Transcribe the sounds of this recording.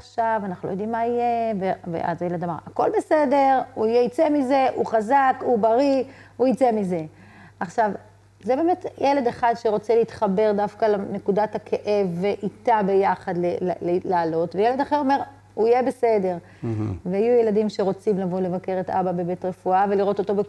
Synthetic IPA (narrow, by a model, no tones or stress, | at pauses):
χʃavanaχnulojd̪imːaijevevḛʔa̰zejeled̪amaʁako̞lbese̞de̞ʁuijeit͡semize̞ʔuχazakubaʁiuit͡semize̞ | ʔaχʃav | zebe̞ːme̞tjele̞d̪e̞χad̪ʃeʁo̞t͡seleit̪χabe̞ʁdafkalane̞kudathakʰe̞ʔe̞vːeʔitabe̞jaχadlelllaːlo̞tvejeled̪aχeʁo̞me̞ʁ | uijebe̞se̞de̞ʁ | veajujeladimʃe̞ʁo̞t͡simlavo̞le̞vake̞ʁeta̰babe̞be̞tʁe̞fuave̞liʁo̞t̪o̞to̞be